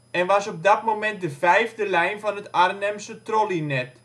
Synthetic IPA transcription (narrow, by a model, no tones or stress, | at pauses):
ɛnʋɑsɔp̚dɔtmomɛnt̚dəvɛjvdəlɛjnfɔnətarənɛmsətrolinɛt